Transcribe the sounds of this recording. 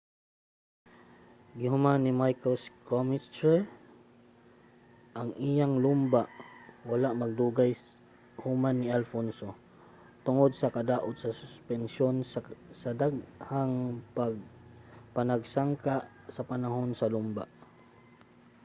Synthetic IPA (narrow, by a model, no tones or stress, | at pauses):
ɡɪɦʊmanɪmajkoskomɪst͡ʃɛɹ | ʔaŋʔɪjaŋlumbaʔwalaʔmaɡ̚d̪uːɡaj | hʊmanːɪalfonso | t̪ʊŋod̪̚sakad̪aʔʊd̪sasʊspɛnsjonsad̪aɡ̚haŋpaɡ̚panaɡsaŋkaʔ | sapanaɦonsalʊmba̰ʔ